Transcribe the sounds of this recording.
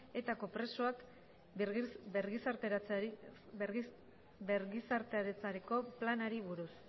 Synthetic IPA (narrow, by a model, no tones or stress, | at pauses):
e̞t̪ako̞pɾe̞soak | ɾɣisaɾet͡s | beɾɣisaɾt̪eaɾet͡saɾiko̞planaɾiβuɾus